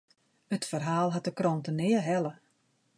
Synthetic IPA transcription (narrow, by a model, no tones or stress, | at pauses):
ətfərɦaːlˠɦat̚dəkrontənɪəɦɛlə